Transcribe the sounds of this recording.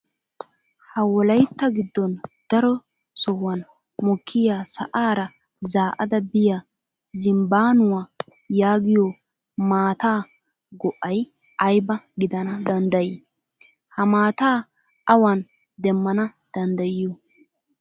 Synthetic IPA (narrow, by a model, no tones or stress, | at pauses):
hɐwɔlɐjt̪ːɐɡɪd̪ːɔnd̪̥ɐɾɔ | sɔwɐn | mɔkʰːɪjaːsɐ̰ʔaːɾɐ | zaːʔɐd̪ɐbɪja | zɪmbaːnʊwa | jaːɡɪjɔ | maːt̪aː | ɡɔʔːɐj | ʔɐjbɐɡɪd̪ɐnɐd̪ɐnd̪ɐjɪ | hɐmaːt̪aː | ʔɐwɐn | d̪ɛmːɐnɐd̪̥ɐnd̪ɐjːu